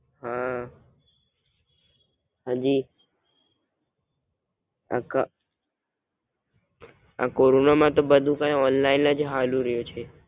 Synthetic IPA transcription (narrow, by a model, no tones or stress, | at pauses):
ɦã | ɦə̃d͡ʒi | a̰ka | a̰koɾonamãt̪obəd̪ʱũkãjɔnlainːad͡ʒɦalũɾəjot͡ʃʰe